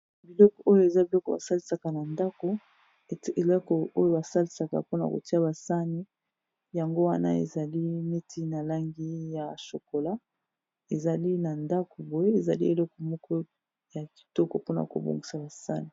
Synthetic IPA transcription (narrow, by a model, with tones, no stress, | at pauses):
bi˨lɔ˦kɔ˨ʔo˦jo˦e˨za˦bi˨lɔ˦kɔ˨ba̰˨sa˦li˦sa˨ka˨na˨nda˦ko˨ | e˨lkɔ˨o˦jo˦˨ba˨sa˦li˦sa˨ka̰˨po˦na̰˨ko̰˨ti˦a˦ba˨sa˦ni˦ | ja˨ŋɡo˦wa˦na̰˦ḛ˨za˨li˦mi˦ti˦na˨la˦ŋɡi˦ja˨ʃo˨ko˨la˦ | e˨za˨li˦na˨nda˦kɔ˨bo˨e˦e˨za˨li˦e˨lɔ˦kɔ˨mɔ˦kɔ˦ | ja˨ki̥˨tɔ˦kɔ˨po˦na˨a̰˨ko̰˨bo̰˨ŋɡi˨sa˨ba˨sa̰˦ni˨